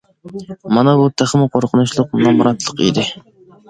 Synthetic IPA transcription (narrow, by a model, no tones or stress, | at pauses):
mɑnɑbut̪ʰæχmɪqʰoɾqʰənuʃlˠʊq̚nɑmɾɑt̪ʰlˠəqḭd̪ɪ